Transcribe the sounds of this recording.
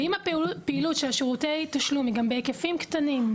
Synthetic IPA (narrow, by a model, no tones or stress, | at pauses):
imapeilutʃelaʃeʁutejtaʃlumiɡambeekefimkt̪anim